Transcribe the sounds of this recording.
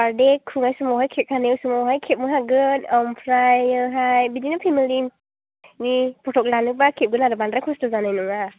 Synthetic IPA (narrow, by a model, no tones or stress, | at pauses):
paɾdekʰuŋajsumɔwɦajkʰɛp̚kʰanewsumɔwɦajkʰɛp̚mɯɦaɡɯnɔmpʰɾajɯɦajbidinɔpʰimilim | nipɔtʰɔk̚lanɯbakʰɛp̚ɡɯnaɾɯbanɾajkʰɔstɔzanajnɔŋa